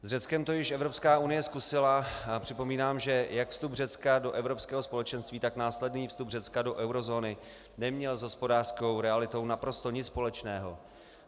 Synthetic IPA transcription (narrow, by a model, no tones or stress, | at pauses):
zrɛt͡skɛmt̪o̞jɪʃɛvɾo̞pskaːʔunɪjɛskusɪlaapr̝̥ɪpo̞miːnaːmʒɛjakfst̪upr̝ɛt͡skado̞ʔɛvɾo̞pskɛːɦospo̞lɛt͡ʃɛnst̪viːt̪aknaːslɛdniːfst̪ubr̝ɛt͡skado̞ʔɛwɾo̞zo̞ːnɪ | nɛmɲɛlzɦo̞spo̞daːr̥sko̞wɾɛalɪt̪o̞wnapɾo̞st̪o̞ɲɪt͡sspo̞lɛt͡ʃnɛːɦo̞̰